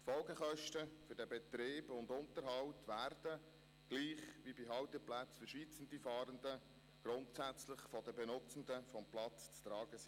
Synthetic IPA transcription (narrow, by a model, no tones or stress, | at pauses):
tfɔlɡəχœʃtəfʏɾdɛbɛt̪ɾeːbʊndʊntəɾɦɑwtʋærd̥ə | ɡ̥liːχʋibiɦɑwt̪əplæt͡sfʏɾʃit͡sənd̥ifɑːɾəndə | ɡ̥ɾʊntsæt͡slɪχfɔdəbɛnʊt͡sən̩dəfɔmplɑt͡st͡st̪ɾɑːɡ̥əsi